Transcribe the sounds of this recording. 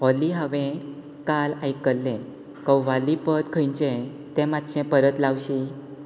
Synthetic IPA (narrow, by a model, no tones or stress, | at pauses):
ɦɔliɦəʋẽ | kalajkəlːɛ̃ | kəwʋalipəd̪kʰəjɲt͡ɕɛ̃ | t̪ɛ̃mat̪t͡ɕɛ̃pəɾət̪lawɕi